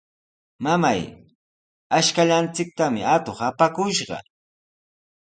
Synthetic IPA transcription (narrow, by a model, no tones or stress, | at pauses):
mama̰j | aʃkaʎant͡sɪk̚t̪amɪat̪oχapakʊʃɢɑ̰